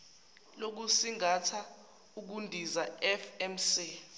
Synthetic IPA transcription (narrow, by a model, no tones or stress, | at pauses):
lok̬usiŋatʰa | uk̬undʱizaɛfɛmsi